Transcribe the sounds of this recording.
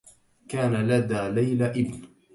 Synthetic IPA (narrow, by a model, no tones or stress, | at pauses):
kaːnalad̪aːlajlaʔɪbn